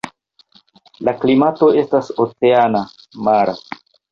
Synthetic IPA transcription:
laklimato̞e̞stasot͡se̞ana | maɾa

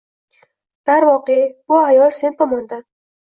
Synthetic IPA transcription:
d̪̥aɾvɒqebʊajɒlˠse̞nt̪ʰɒmɒnd̪an

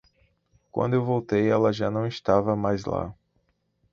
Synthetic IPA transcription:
kwɐ̰̃nd̪ʊewvowt̪ejɛlɐʒanɐ̃w̃ist̪avɐmajzla̰

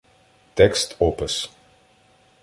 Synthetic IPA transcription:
tɛkstʰɔːpəs

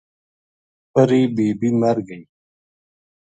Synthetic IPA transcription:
pəɾibiːbimɐɾɡəi

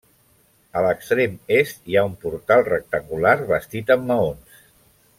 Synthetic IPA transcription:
ələkst̪ɾemest̪iaumpuɾt̪alˠrək̚t̪əŋɡulaɾβəst̪it̪əmːəons

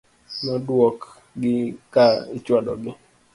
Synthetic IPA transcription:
nɔdwɔk | ɡɪkaɪt͡ʃwadɔ̰ɡɪ

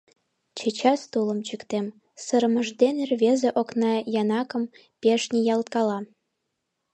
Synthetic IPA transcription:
t͡ɕet͡ɕɑst̪ulə̆mt͡ɕykt̪em | səɾəmə̆ʒd̪enerβezeʔoknɑjɑnɑkə̆m | peʃnʲijɑlt̪̚kɑlɑ

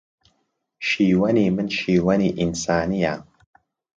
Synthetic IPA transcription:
ʃiːwɐniːmɨnʃiːwɐniːʔinsaːnija

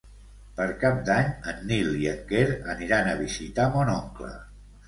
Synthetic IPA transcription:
pəɾkap̚d̪aɲənːiliəkeɾəniɾanəβ̞izit̪amɔnɔŋklə̰

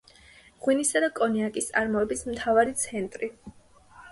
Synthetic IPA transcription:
ʁwinisad̪akʼɔniakʼist̪sʼaɾmɔɛbismt̪ʰavaɾit̪sʰɛnt̪ʼɾi

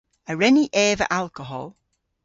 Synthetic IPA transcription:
əɹɛniʔɛːvə̰ʔalˠkəɦɔ̰lˠ

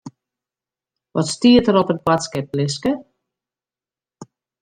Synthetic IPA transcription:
ʋɔtstiətəɾɔpət̚batskɛp̚lɪskə

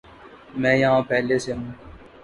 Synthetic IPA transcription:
mɛ̃ːjãːpɛːleːseːmũː

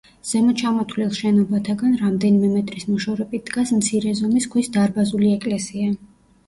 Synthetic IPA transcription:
z̥ɛmɔt͡ʃʰamɔt̪ʰlilˠʃɛnɔbat̪ʰaɡanɾamd̪ɛnimɛmɛt̪ʼɾismɔʃɔɾɛbit̪̚ʰd̪̥ɡasmt̪sʰiɾɛzɔmiskʰwisd̪aɾbazuliɛkʼlɛsia

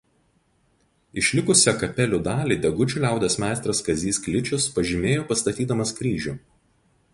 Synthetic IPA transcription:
ɪʃʲlʲɪkʊsʲɛkɐpʲɛlʲʊd̪ɑːlʲiːd̪ʲɛɡʊt͡ʃʲʊˑlʲæˑʊd̪ʲɛsmʲæˑɪst̪ɾɐskɐzʲiːsklʲɪt͡ʃʲʊspɐʒʲɪmʲeːjoːpɐst̪ɐt̪ʲiːd̪ɐmɐskɾʲiːʒʲʊˑ

